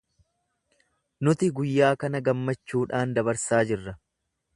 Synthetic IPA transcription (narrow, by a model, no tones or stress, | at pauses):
nʊt̪ɪɡʊjːaːkɐnɐɡɐmːɐt͡ʃːuːᶑaːnd̪ɐβɐɾsaːd͡ʒɪrːɐ